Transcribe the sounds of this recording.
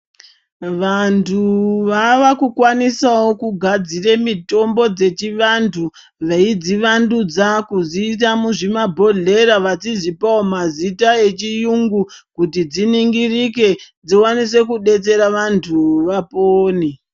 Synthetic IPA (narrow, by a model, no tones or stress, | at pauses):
ʋantʰuʋaʋakukwanisawo̞kuɡʱad͡ziremito̞mbo̞d͡ze̞t͡ʃiʋantʰu | ʋeid͡ziʋandud͡zakuziːt̬amuʐimabʱo̞ɮe̞ɾaʋat͡sizipaomazitae̞t͡ʃijuŋɡukutid͡ziniŋɡirike̞d͡ziwanis̬e̞kuɗe̞t͡se̞ɾaʋantʰuʋapoːni